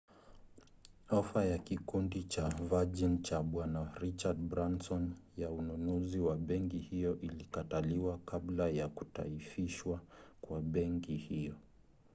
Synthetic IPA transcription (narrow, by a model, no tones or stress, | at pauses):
ɔfajakikundit͡ʃavad͡ʒint͡ʃaɓwanaɾit͡ʃad̚bɾansɔnjaununuziwaɓɛŋkihijɔʔilikataliwakablajaku̥ta̰ifiʃwakwaɓɛŋkihijɔ